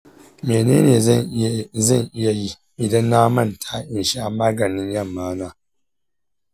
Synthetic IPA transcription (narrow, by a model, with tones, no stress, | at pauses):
meː˨nḛː˦neː˨zɐ˦˨ŋʔɪ˦ja˦ji˦ | ʔɪ˨dɐ˦nːa˦mɐ˦ntʰaː˦ʔɪ˨nʃa˦maː˦ɡɐ˨nɪ˦ɲjɐ˦˨mːaː˦naː˦